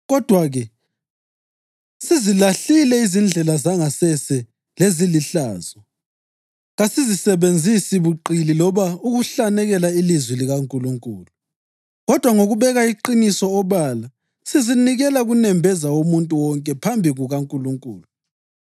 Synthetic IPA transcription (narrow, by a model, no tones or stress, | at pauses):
ɣɔd̥ʱwaɣɛ | sizilaɬilɛizind͡ɮʱɛlazaŋasɛsɛ | leziliɬaːzɔ | ɣasizisɛβend͡zʱisiβuǃililɔβauɣuɬanɛɣɛlailizwiliɣaŋkʼuluŋkʼuːlu | ɣɔd̥ʱwaŋoɣuβɛɣaiǃinisɔːβala | siziniɣɛlaɣunɛmbʱɛzaomuntʼuwɔŋkʼɛpʰambʱiɣuɣaŋkʼuluŋkʼṵːlu